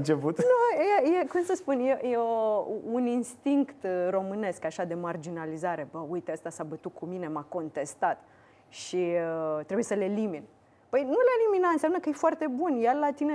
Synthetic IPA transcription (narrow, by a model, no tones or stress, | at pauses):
nt͡ʃeput̪nujejekumsəspunjejeouninst̪iŋkt̪ro̞mɨne̞skaʃad̪e̞mard͡ʒinalizaɾe̞bəujt̪eəst̪asabət̪ukʰumine̞mako̞nt̪e̞st̪at̪ | ʃit̪ɾebuje̞səle̞limin | pəjnuleaeliminat̪ɨnsjamnəkəjefoart̪e̞bunjallat̪ine